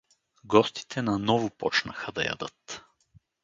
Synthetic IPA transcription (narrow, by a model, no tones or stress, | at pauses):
ɡɔst̪i̥t̪ʰɛnɐnɔvʊpɔ̰t͡ʃnɐ̰xɐd̪ɐ̰jɐ̰d̪ɤt̪